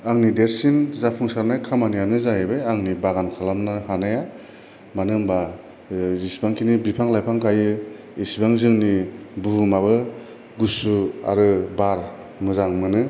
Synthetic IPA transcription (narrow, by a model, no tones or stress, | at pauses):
aŋnideɾsinzapʰuŋsaɾnajkʰamanijanɯzajebejaŋnibaɡankʰalamnahanaja | manɯŋba | zisbaŋkʰinibipʰaŋlajpʰaŋkajɯ | isbaŋzɯŋnibumaβɯ | ɡusua̰ɾɯbaɾ | mɯzaŋmɯnɯ